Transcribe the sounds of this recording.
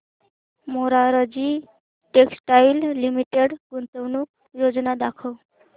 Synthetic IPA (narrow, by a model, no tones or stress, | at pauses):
moɾaɾəd͡ʑi | ʈeksʈajlːimiʈeɽɡunt̪əwnuk̚ | jod͡znad̪akʰəw